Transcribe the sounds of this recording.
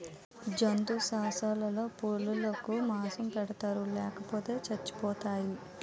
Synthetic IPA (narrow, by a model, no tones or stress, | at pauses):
d͡ʒɐnd̪usaːsaːlɐlo̞ːpuɭːulɐkumaːsɐmpɛɽɐt̪aːɾulɛːkɐpoːt̪e̞ːt͡ʃɐt͡ʃːi̥pɔːt̪aːji